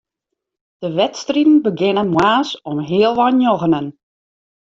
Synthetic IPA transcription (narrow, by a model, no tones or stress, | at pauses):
d̥əʋɛtstritn̩bəɡɪnənmwaːsɔmɦiəlˠʋɔnjoɣənən